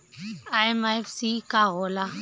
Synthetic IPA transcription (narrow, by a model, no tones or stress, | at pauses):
aemaefsikaɦoːla